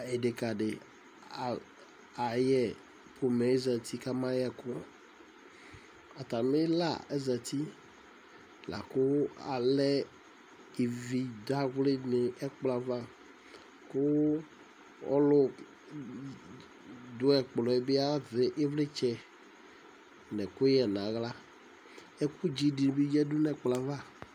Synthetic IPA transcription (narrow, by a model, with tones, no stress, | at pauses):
e˨ɖe˨ka˨ɖe˨ | a˨jɛ˨ | pʰo˨mɛ˨e˦zɛ˨t̪i˦ka˦mã˦jɛ˦˨kʊ˦ | a˨t̪a˨me˦la̰˦˨e˦zɛ˨t̪i˦ | la̰˨kʊ˦a̰˨lɛ˦ | i˨vi˨da˦ɣle˦ne˨ɛ˦k͡pla˨va˦ | kʊ˦ | ɔ̰˦lo˦ | d̪ʊ˨˦ɛ˨k͡plɔ˨ɛ˨be˦a˦ve˨ʔe˦vle˦t͡ʃɛ˦ | nɛ̃˨kʊ˦jɛ˨nã˨ɣla˦ | e˦ku˦d͡ʑi˦ɖi˨n˨bi˦d͡ʒɛ˦du˦nɛ̃˦k͡pla˨va˦˨